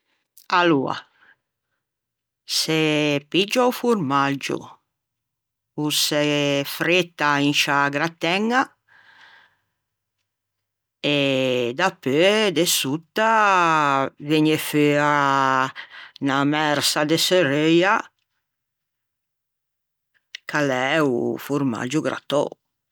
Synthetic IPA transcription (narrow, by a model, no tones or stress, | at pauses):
alua̰ | sepid͡ʒaufuɾmad͡ʒṵ | usefɾet̪ːainʃaɡɾat̪ɛŋːa | ed̪apːød̪esut̪ːa | veɲeføa | namɛɾsad̪eseɾeja | kʰalɛṵfuɾma̰d͡ʒuɡɾa̰t̪ɔ̰